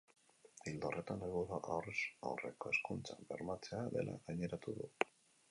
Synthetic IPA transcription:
ild̪o̞re̞t̪analɣoðaʔawresa̰wre̞̰ko̞e̞skunt͡sambe̞ɾmat͡se̞aðe̞lʔa̰ɣaɲe̞ɾat̪uðu

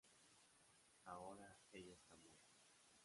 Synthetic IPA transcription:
aoɾaeʎaest̪amu

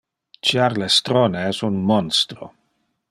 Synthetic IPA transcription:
t͡ʃjaɾlest̪ɾoneɛsunmɔnst̪ɾo̰

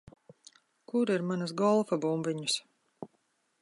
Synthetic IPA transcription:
kuɾiɾmanasɡɔlˠfabumviɲus

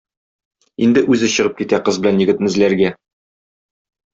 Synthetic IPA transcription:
ind̪ɘʔʉzɘɕɤ̆ʁɤp̚kit̪æqɤzbɘ̆lænjɘ̆ɡɘ̆t̪mɘ̆zlæɾɡæ

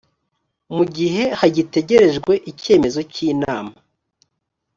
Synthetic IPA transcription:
muɟiɦe̞haɟite̞ɟe̞ɾe̞ʒɡwe̞ʔice̞ːme̞zo̞ciːnaːma

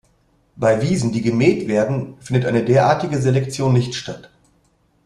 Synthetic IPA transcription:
b̥aɪviːzn̩diːɡəmɛːtv̥eːɐdn̩fɪndətʔa̰ɪnədeːɐʔaːɐtɪɡəzelɛkt͡sjoːnːɪçtʃtat

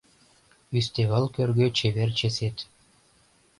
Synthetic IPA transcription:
yst̪eβəlˠkørɣøt͡ɕeβert͡ɕeset̪

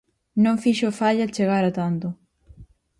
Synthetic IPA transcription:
nõŋfiʃʊfaʎat͡ʃeɣaɾat̪ant̪ʊ

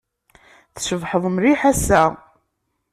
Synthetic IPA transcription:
θʃəvħəðˤmɾiħæsæ

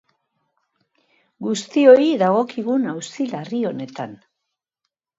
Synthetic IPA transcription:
ɡust̪io̞iðaɣo̞kiɣunawsilario̞ne̞t̪an

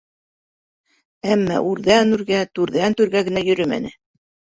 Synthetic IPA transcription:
æmːæ̰ʔʉɾðænʉɾɡæt̪ʉɾðænt̪ʉɾɡæɡɘ̆næjɵ̆ɾɵmæ̰nɘ

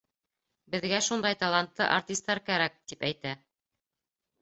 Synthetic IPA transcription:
bɘ̆ðɡæʃund̪ɑjt̪ɑlˠant̪lˠɤʔaɾt̪ʲist̪ːɑɾkæɾæk̚t̪ipæjt̪æ

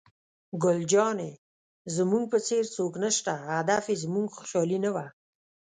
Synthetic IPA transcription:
ɡʊld͡ʒɑne | zəmuŋɡ̚pət͡seɾt͡soknəʃt̪aad̪afezmuŋɡxʊ̥ʃɑlinawa

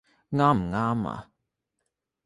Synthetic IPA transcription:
ŋamŋama̰

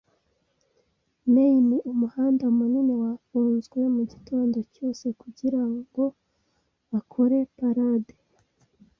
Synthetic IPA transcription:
neiniʔumuhaːndamuninewafuːnzɡwe̞muɟitʰo̞ːndo̞co̞ːse̞kuɟiɾaɡo̞ | βakʰo̞ɾe̞paɾade

